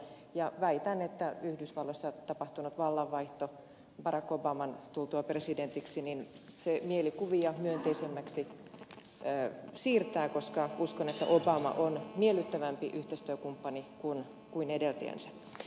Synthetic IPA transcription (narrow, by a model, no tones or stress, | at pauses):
jɑʋæit̪ænet̪ːæyhdysʋɑlːosːɑt̪ɑpɑht̪unut̪ʋɑlːɑʋːɑiht̪o | b̥ɑɾɑkːobɑmɑnt̪ult̪uɑpresident̪iksinin | semielikuʋiɑmyønt̪eisemːæksi | siːrt̪æːkoskɑuskonet̪ːæ̰ʔobɑmɑ̰ʔonmielːyt̪ːæʋæmpiʔyht̪est̪yøkumpːɑnikun | kuinedelt̪ḛːnsæ̥